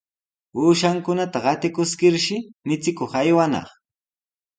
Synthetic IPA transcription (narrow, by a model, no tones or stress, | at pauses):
uːʃaŋkʊnat̪aɢɑt̪ɪkʊskɪɾʃɪmɪt͡sɪkoχajwanɑ̰χ